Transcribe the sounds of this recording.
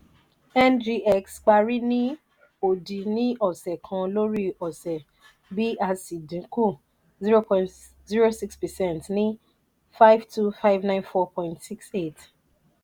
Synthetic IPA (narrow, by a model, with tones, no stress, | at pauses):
ɛ˦ndɾi˦ʔɛ˦˨ksk͡pa˧ɾi˦nĩ˦ | o˨dĩ˨nĩ˦ʔɔ˦˨sɛ˨kʰã˧lo˦ɾi˦ɔ˨sɛ˨ | bi˦ʔa˧si˨dĩ˨˦ku˦˨ | zi˦ɾo˦pɔ̃˨ | zi˦ɾo˦si˦kspɛ˨sɛ̃˦˨ntnĩ˦ | fa˦jvtu˦fa˦ɪvnã˦ɪ̃˦nfɔ˦pʰɔ̃˨ĩntsi˦kse˦˨t